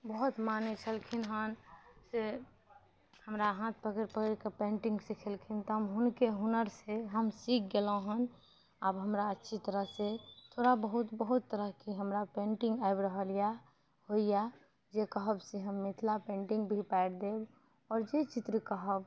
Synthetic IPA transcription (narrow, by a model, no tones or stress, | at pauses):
bəɦut̪manet͡ʃʰəlkʰinɦənse | həmɾaɦãt̪̚ʰpəkəɾpəkəɾkepẽɳʈĩŋɡsikʰəlkʰint̪ɔmɦʊnkeɦunəɾseɦəmsik̚ʰɡelõɦən | əbɦəmɾaətːʃʰit̪əɾəɦset̪ʰoɾabəɦut̪bəɦut̪ːəɾəɦkiɦəmɾapẽɳʈĩŋɡaɪbɾəɦəlija | hoija | d͡ʒekəɦəbseɦəmːɪt̪ʰlapẽːɳʈĩŋɡbʱipaɽd̪eb | ɔːɾd͡ʒet͡ʃit̪ɾəkəɦəb